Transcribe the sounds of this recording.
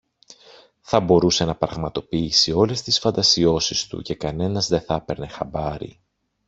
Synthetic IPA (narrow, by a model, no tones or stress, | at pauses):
θɐbo̞ɾuse̞nɐpɾɐɣmɐt̪o̞piisio̞le̞st̪isfɐnd̪ɐsio̞sist̪ṵce̞kɐne̞nɐzðe̞θɐpe̞ɾne̞xɐbɐɾḭ